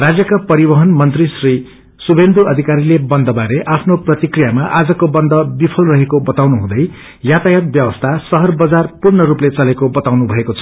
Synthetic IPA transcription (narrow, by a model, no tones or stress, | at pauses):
rad͡zjʌkapʌɾibʌɦʌnmʌnt̪risri | subend̪ʱuʌd̪ʱikaɾilebʌnd̪ʌbaɾeʔapʰnoprʌt̪ikrijamaʔad͡zʌkobʌnd̪ʱʌbipʰʌlrʌɦekobʌt̪awnuɦũd̪ʌj | jat̪ajʌt̪̚bjʌbʌst̪ʰasʌɦʌrbʌd͡zarpurnʌɾuplet͡sʌlekobʌt̪awnubʱʌekot͡sʰʌ̥